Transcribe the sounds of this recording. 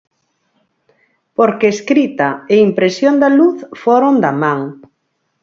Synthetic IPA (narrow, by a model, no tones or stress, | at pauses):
poɾkeːskɾit̪ɐeimpɾesjond̪aluθfoɾond̪amãŋ